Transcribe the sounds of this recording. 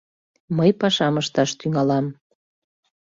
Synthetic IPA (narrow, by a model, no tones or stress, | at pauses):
məjpɑʃɑməʃt̪ɑʃt̪yŋɑlɑm